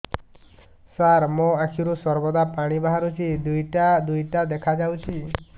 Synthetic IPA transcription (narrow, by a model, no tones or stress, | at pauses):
saɾmoakʰiɾusɔɾbɔd̪apaɽ̃ibaɦaɾut͡ʃʰid̪ujʈad̪ujʈad̪ekʰad͡ʒawt͡ʃʰi